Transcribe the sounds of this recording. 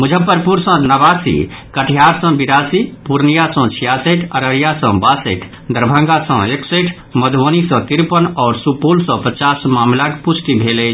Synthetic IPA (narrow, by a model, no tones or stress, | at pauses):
mud͡ʒʱəpːəɾpuɾsə̃nəʋasḭkəʈʰijaɾsə̃biɾasipuɾnijasə̃t͡ʃʰijaseʈʰəɾəɾijasə̃basḛkʰ | d̪əɾbʱə̃ŋɡasə̃ekseʈʰ | məd̪ʱonist̪iɾpənɔːɾsupolsɔ̃pət͡ʃasmamlakput͡ʃʰʈ̪ibʱele